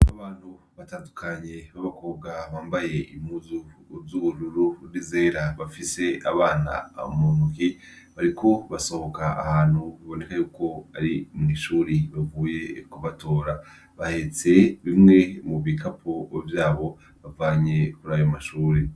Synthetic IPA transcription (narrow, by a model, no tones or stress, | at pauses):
aβaːn̥huβataːndukʰaɲe̞βaβako̞ːβɡaβaːmbaje̞ʔimuzuzuβuɾuɾuɾize̞ːɾaβafise̞aβaːna̰munuki | βaɾikʰo̞βaso̞hokaʔahaːn̥huβaβo̞ne̞kajuːko̞aɾimŋiːʃuːɾiβavuːje̞kuβato̞ːɾa | βahe̞t͡se̞βimŋe̞muβikʰapʰo̞vjaːβo̞ | βavaːɲe̞kuɾaːjomaʃuːɾi